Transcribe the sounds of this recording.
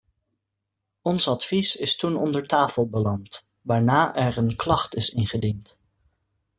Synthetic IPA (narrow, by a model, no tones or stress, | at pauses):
ɔnsɑtfisɪstunɔ̰ndəɹtaːfəlˠbəlɑnt | ʋaːɹnaːʔɛɹənklɑχtɪsɪnχədint